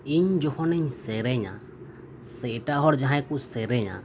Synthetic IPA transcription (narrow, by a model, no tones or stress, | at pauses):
iɲd͡ʒɔhɔnɛɲsɛɾɛɲa̰ | sɛʈaɦɔɽd͡ʒaɦãjkusɛɾɛɲa̰